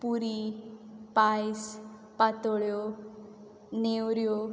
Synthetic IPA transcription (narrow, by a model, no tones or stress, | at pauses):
puɾi | pajs | pat̪ɔɭjo | newɾjo